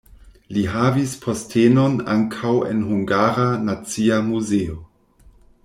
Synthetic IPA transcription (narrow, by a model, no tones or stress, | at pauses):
liɦavispʰo̞stʰeno̞na̰ŋkʰawḛnɦuŋɡaɾanat͡siamuzeo